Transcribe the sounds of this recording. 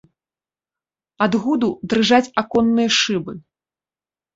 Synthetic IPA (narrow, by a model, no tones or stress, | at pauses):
ad̪ɣud̪ud̪ɾɨʐat͡sʲakɔnːɨjɐʂɨbɨ